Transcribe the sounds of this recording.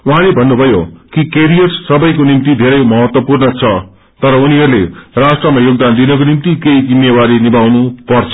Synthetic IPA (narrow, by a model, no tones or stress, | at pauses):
wɦãlebʱʌnːubʱʌjokikeɾijʌʈssʌbʌjkonimt̪id̪ʱeɾʌjmʌɦʌt̪wʌpurnʌt͡sʰʌ | t̪ʌɾʌuniɦʌɾulerasʈrʌmajoɡ̚d̪and̪inʌkonimt̪ikeid͡zimjewaɾinibawnupʌrt͡sʰʌ̥